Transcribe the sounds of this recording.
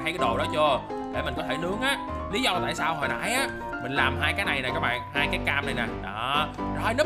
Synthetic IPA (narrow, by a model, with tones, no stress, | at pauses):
a˧jkaː˨˦jɗo̰˨˩ɗɔ˨˦t͡ɕu˧ə | ɗe˧˩mï˨˩ŋ̟kɔ˨˦e˧˩nɨ˨˦˥əŋʔaː˨˦ | li˨˦zɔ˧t̪a̰ː˧˨jsaː˧who˨˩na̰˧˩˦jʔaː˨˦ | mï˨˩ŋ̟laː˨˩mɦaː˧jkaː˨˦jna˨˩jnaː˨˩kaː˦˥k̚ɓa̰ː˧˨nɦaː˧jkaː˨˦jkaː˧mna˨˩jnaː˨˩ɗɔ˨˦˧jne˨˦˥